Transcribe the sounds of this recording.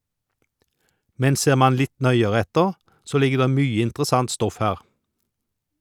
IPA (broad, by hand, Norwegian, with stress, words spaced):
ˈmɛn ˈseːʁ ˈmɑn ˈlɪt ˈnœʏəʁɛ ˈɛtəʁ ˈsoː ˈlɪɡə ˈdeː ˈmyːə ɪntʁˈsɑnt ˈstɔf ˈhæːʁ